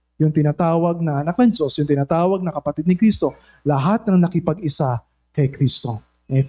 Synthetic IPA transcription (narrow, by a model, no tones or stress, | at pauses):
jʊŋt̪ɪnaːt̪aːwɐɡ̚nɐʔɐnak̚nɐŋd͡ʒo̞sjʊŋt̪ɪnaːt̪aːwɐɡ̚nɐkɐpɐt̪id̪nɪkɾiːst̪o̞ | lɐɦat̪̚nɐŋnɐkɪpɐɡɪsa | kɐjkɾist̪o̞ | ɛ